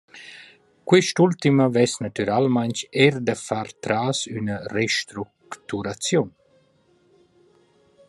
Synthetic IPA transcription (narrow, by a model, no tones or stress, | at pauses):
kwiʃtult̪iməvɛsnat̪yɾalmaɲt͡ʃɛɾd̪əfaɾt̪ɾaːsynəreʃt̪ɾukkt̪uɾat͡sjun